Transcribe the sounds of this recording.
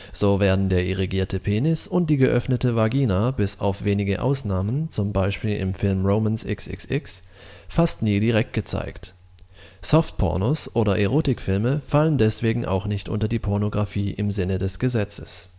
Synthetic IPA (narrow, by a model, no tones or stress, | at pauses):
z̥oːveːɐdn̩deːɐʔɪʁiɡiːɐtʰəpʰeːnɪsʊnt̚d̥iːɡəʔœfnətəvaɡiːnabɪsa̰ʊfv̥eːnɪɡəʔa̰ʊsnaːmənt͡sʊmbaɪʃpiːlʔɪ̰mfɪlmʁoʊmɛnsʔɪ̰ksʔɪ̰ksɪks | fastniːdiʁ̞ɛk̚t̚ɡ̥ət͡sa̰ɪkt | sɔft̚pʰɔ̰ɐnosʔoːɾɐʔɛʁ̞oːtɪkfɪlməfaləndɛsv̥eːɡŋ̩ʔa̰ʊxnɪçtʔʊ̰ntɐdiːpʰɔɐnoɡʁafiːʔɪmzɪnədɛsɡ̥əzɛt͡səs